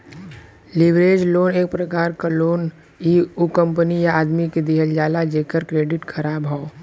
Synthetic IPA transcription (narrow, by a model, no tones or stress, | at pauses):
lɪʋɾeːd͡ʒloːneːk̚pɾəkaːɾkaloːn | iːukə̃mpənijaaːd̪miked̪iɦəld͡ʒaːlad͡ʒeːkəɾkɾeːɖɪʈkʰəɾaːbɦao